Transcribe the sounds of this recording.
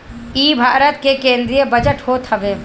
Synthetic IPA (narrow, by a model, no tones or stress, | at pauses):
iːbʱaːɾət̪kekẽːnd̪ɾijəbəd͡ʒəʈhoːt̪ɦəʋeː